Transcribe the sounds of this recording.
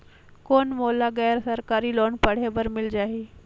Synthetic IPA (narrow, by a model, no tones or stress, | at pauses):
koɳmolaɡɛjɾsəɾkaɾiːloɳpəɽ̤eʋəɾmɪld͡ʒaɦe